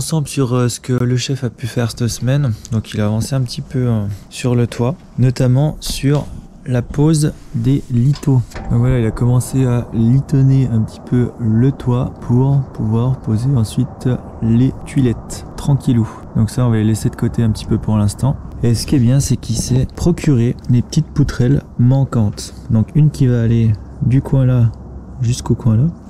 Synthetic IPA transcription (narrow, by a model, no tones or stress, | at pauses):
ɑ̃sɑ̃blsyʁsə̥kələʃɛfapyfɛʁst̪əsəmɛnd̪ɔ̃kʰilaːvɑ̃seɛ̃pət̪ʰipøsyʁlət̪ʰwa | nɔt̪amɑ̃syʁ | lapozd̪elit̪od̪ɔ̃kvwalailakɔmɑ̃sealit̪ɔneɛ̃pət̪i̥pʰølət̪wapʰuʁpuvwaʁpozeɑ̃sɥit̪ | let̪ɥilɛt̪ːχɑ̃kʲʰilu | d̪ɔ̃ksaɔ̃valelesed̪əkot̪eɛ̃pət̪i̥pøpuʁlɛ̃st̪ɑ̃ | esə̥kʲiɛbjɛ̃sɛkisɛpχɔkʲʰyʁelepə̥t̪it̪̚put̪χɛlmɑ̃kɑ̃t̪ | d̪ɔ̃kynkʲivaːle | d̪ykʰwɛ̃la | ʒyskokwɛ̃la